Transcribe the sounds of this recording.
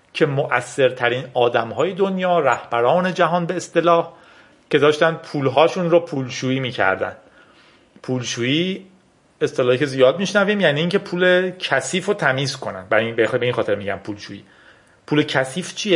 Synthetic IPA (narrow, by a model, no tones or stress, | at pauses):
cʰe̞moʔæsːe̞ɾt̪ʰæɾiːnɒːd̪æmɦɒːje̞d̪onjɒːɾæhb̥æɾɒːne̞d͡ʒæɦɒːnbe̞ːst̪e̞lɒːh | cʰe̞d̪ɒːʃt̪ænd̪̚pʰuːlɦɒːʃunɾopʰuːlʃuːiːmiːcʰæ̰ɾd̪æ̰nd̪̥ | pʰuːlʃuːiː | e̞st̪elɒːhikʰe̞zijɒːd̪̚miʃnæviːmjæniːcʰe̞pʰuːlecʰæsiːfot̪ʰæmiːzkʰo̞næ̰nd̪̚bæinbexbe̞iːnxɒːt̪eɾmiːɟæ̰mpʰuːlʃṵːḭː | pʰuːlecʰæsiːft͡ʃʰije